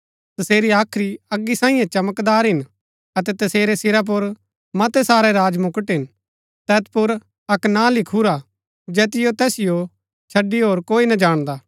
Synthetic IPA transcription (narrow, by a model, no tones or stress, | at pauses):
t̪ɐseːɾiaːkʰɾiɐɡːisãːĩjãt͡ʃɐməkd̪aːɾɦɪn | ɐt̪ɛt̪ɐseːɾesɪɾap̬ʊɾ | mɐt̪ɛsaːɾɛɾaːd͡ʒmʊkəʈɦɪn | t̪ɛːt̪pʊɾ | ɐknalɪkʰuɾa | d͡ʒɛːt̪̬ɪjot̪ɛːsɪjo | t͡ʃʰɐɖːiɦoːɾkoːinɐd͡ʒaːɽ̃d̪aː